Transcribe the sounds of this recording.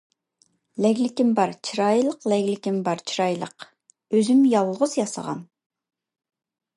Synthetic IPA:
lɛɡʲlɪkʲimbɑɾt͡ʃʰiɾɑjlˠəqlɛɡʲlɪkʲimbɑɾt͡ʃʰiɾɑjlˠə̰q | øzymjɑlˠːʁʊzjɑsə̰ʁɑ̰n

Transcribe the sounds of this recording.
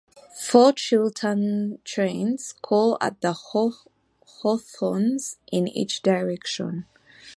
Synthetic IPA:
fɔt͡ʃɪlˠdə̃ntʰɹẽɪnz̥kʰɔla̰t̚ðə | hɔθɔ̃nzʔɪ̃nḭt͡ʃd̥aɪɹɛkʃɔ̰̃n

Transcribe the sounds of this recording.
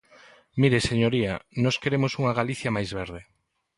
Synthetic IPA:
miɾeseɲoɾianɔskeɾemosuŋɐɣaliθjɐmajzβeɾð̞e

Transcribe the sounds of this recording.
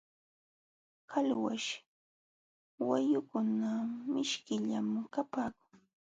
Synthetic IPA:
kʰalwa̰ʃ | wajʊkʊnamɪʃkɪʎamkapaːkʊŋ

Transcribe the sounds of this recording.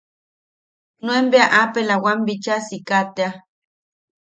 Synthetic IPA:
nuembeaʔapelawambit͡ʃasikat̪ea

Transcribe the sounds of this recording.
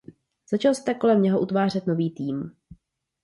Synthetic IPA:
z̥at͡ʃalst̪ɛko̞lɛmɲɛɦo̞ʔut̪vaːr̝ɛt̪no̞viːt̪iːm

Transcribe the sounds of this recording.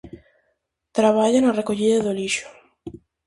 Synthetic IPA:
t̪ɾaβ̞aʎanarekoʎiðaðoliʃo̥

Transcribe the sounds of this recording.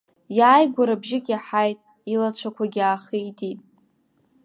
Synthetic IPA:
jaːjɡʷaɾabʒɪkʲʼaħajtʼ | ilat͡ɕʷʰakʷʰaɡʲaːχiitʰitʼ

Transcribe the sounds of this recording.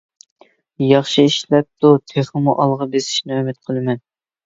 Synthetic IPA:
jɑχʃiiʃlɛp̚t̪ʰut̪ʰeχəmuʔɑlˠʁɑbesɪ̥ʃnɪømɪt̪̚qʰəlˠɨmɛn

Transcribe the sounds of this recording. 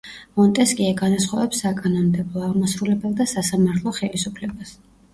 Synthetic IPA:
mɔnt̪ʼɛskʼiaɡanasχɔvɛpsːakʼanɔmd̪ɛblˠɔaʁmasɾulɛbɛlˠd̪asasamaɾt̪ʰlˠɔχɛlisupʰlɛbas

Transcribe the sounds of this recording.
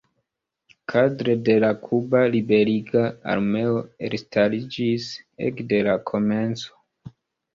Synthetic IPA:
kʰadɾe̞de̞lakʰubalibe̞ɾiɡaa̰ɾme̞o̞ḛɾstʰalid͡ʒisḛkde̞lakʰo̞me̞nt͡so̥

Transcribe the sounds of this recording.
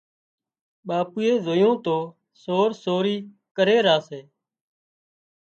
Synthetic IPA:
ɓaːpuːeːzoːjõːt̪oː | soːɾsoːɾiː | kəɾeːɾaːseː

